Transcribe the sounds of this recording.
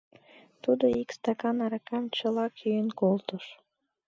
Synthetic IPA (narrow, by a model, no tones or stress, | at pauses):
t̪ud̪oikst̪ɑkɑnɑɾɑkɑmt͡ɕəlɑkʰyjənkolt̪əʃ